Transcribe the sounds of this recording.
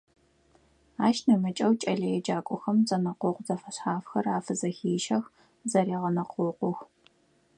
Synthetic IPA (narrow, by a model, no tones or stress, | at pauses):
aːʃnɨmɐt͡ʃʼɐwt͡ʃʼɐɮɐjɛd͡ʒaːkʷʼʊxɐmt͡sʼɐnɐqʷʊqʷzɐfɐɕħaːfxɐraːfɨzɐxiːʃɐx | zɐɾiːʁɐnɐqʰʷʼʊːqʷʊx